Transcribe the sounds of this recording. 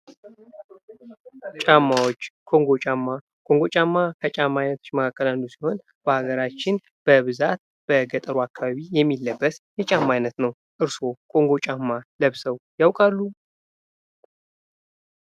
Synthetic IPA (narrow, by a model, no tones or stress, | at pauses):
t͡ʃʼamːawot͡ʃːkʰo̞ŋɡo̞t͡ʃʼamːa | kʰo̞ŋɡo̞t͡ʃʼamːakʰət͡ʃʼamːajnət̪ʰot͡ʃːməkʰakːəlanːusi̥ho̞n | b̥əhaɡəɾat͡ʃːɪn | b̥əβɨzat̪̚ | b̥əɡət̪ʼəɾuakʰːaβaβijɛmːilːəbːəsjɛt͡ʃʼamːajnət̪nəw | ʔɨɾso̞kʰo̞ŋɡo̞t͡ʃʼamːaləβsəwjawkʼalːu